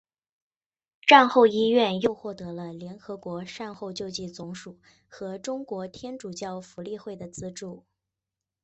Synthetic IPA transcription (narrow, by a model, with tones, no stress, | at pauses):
ʈ͡ʂa˥˧nxo˥˩ʊi˥ɥɛ˥˧njo˥˧ʊxwɔ˥˩t̪ɤ˧˥lə˧ljɛ˧˥nxɤ˧˥kwɔ˧˥ʂa˥˧nxo˥˧ʊt͡ɕjo˥˧ʊt͡ɕi˥˩t͡sʊ˧˥ŋʂu˨˩ | xɤ˧˥ʈ͡ʂʊ˥ŋkwɔ˧˥t̪ʰjɛ˥nʈ͡ʂu˨˩t͡ɕjɑ˥˩ʊfu˧˥li˥˧xwe˥˩ɪd̪ə˩t͡sɹ̩˥ʈ͡ʂu˥˩